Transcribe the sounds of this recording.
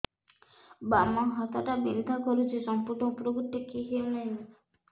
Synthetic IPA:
bamɔɦɔt̪aʈabind̪ʱakɔɾut͡ʃʰisɔmpuɾɔupɾoɡut̪ːikiɦewnaj

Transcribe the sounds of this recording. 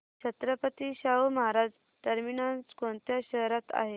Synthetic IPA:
ɕt͡ɕʰət̪ɾəpət̪iɕawməɦaɾad͡z | ʈəɾminant͡skõnt̪jaɕəɦɾat̪a̰ɦe

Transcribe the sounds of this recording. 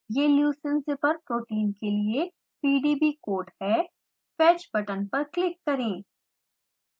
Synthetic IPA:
jeːljuːsə̃nsepɐɾpɾoːʈiːnkelie | piːɖiːbikoːɾʈhɛː | fɛːt͡ʃbɐʈənpɐɾklɪkːɐɾẽː

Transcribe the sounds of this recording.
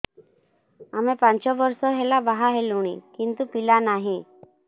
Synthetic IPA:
amepaɲt͡ɕɔʋəɾsɔɦelabaɦaɦeluɽ̃ḭkint̪upilanaɦĩ

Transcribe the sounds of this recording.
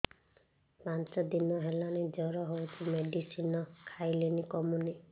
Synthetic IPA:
pant͡ʃɔd̪inɔɦelaned͡ʒɔɾɔɦowt͡ʃʰimeɖisinɔkʰajlenikɔmuni

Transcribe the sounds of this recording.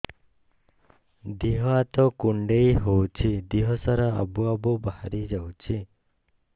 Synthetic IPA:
d̪iɦɔat̪ɔkuɳɖejɦowt͡ʃʰid̪iɦɔsaɾaa̰buabɔbahaɾid͡ʒawt͡ʃʰi

